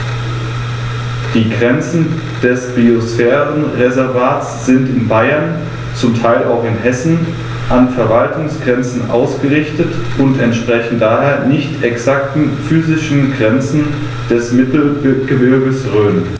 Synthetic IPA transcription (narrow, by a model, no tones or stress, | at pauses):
d̥iːɡʁɛnt͡sn̩ | d̥ɛsb̥iosfɛːʁənʁezɛɐvaːtsz̥ɪntɪnbaɪɐn | t͡sʊmtʰaɪla̰ʊxɪnɦɛsn̩ | ʔanfɛɐvaltʰʊŋsɡ̥ʁɛnt͡sn̩ʔa̰ʊsɡ̥əʁɪçtətʔʊntɛntʃpʁ̥ɛçn̩td̥aːɦeːɐnɪçtʰɛksaktn̩fyːzɪʃn̩ɡʁɛnt͡sn̩ | d̥ɛsmɪtl̩ɡ̥əbɪɐɡəsʁøːn